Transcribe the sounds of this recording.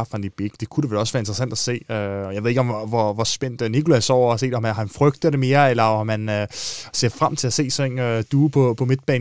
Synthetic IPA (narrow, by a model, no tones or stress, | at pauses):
fænd̥ib̥eɡ̥əd̥e̝kʰud̥eʋelɒ̽sʋæːɐe̝nd̥ʁɐsæn̰d̥æse̝̰ːøjɑɪʋeðˠeɡɒ̽mʋɒʋɒsb̥en̰d̥nikʰo̝læsɒʊ̰ɐɑse̝̰ːd̥mæhænfʁœɡ̥d̥ðˠd̥e̝me̝ːɐelɐmænse̝ɐ̥fʁam̰t͡sʰe̝læse̝̰ːsɒ̽e̝nød̥uːpʰɒ̽pʰɒ̽me̝d̥̚b̥ɛ̰ː